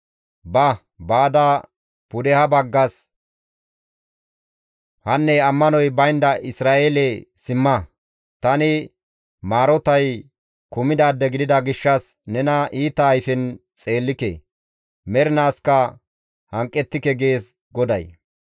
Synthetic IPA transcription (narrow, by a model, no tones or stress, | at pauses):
bɐ | baːd̪ɐ | pʊd̪ɛhɐbɐɡːɐs | hɐnːɛɐmːɐnɔjbɐjnd̪ɐʔɪsɾaːʔeːlɛsɪmːɐ | t̪ɐnɪ | maːɾɔt̪ɐj | kʊmɪd̪aːd̪ːɛɡɪd̪ɪd̪ɐɡɪʃːɐs | nɛnɐʔiːt̪ːɐːjfɪnt͡sʼe̞ːlːɪkḛ | mɛɾɪnaːskɐ | hɐŋkʼːɛt̪ːɪkɛɡe̞ːs | ɡɔd̪ɐj